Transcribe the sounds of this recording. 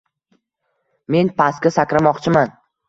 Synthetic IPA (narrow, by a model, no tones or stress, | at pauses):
me̞npʰaskʲasakʲɾamɒqt͡ʃʰɪman